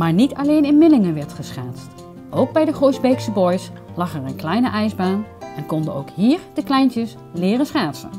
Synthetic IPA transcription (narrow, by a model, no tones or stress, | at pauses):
maːɹnitɑlejnɪnmɪlɪŋəʋɛɹtχəsχaːtst | ʔowɡ̚bɛjdəχojzbejksəbɔjslɑχɛɹənklɛjnəʔɛjzbaːnɛnkɔndəowkɦiːɹd̥əklɛjntəs | lɪːrəsχaːtsə̰n